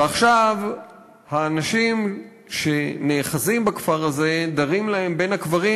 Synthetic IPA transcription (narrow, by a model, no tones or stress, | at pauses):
eaχʃav | haːnaʃim | ʃe̞neːχazimbakfaʁaze̞d̪aʁimlahe̞mbe̞nhakvaʁi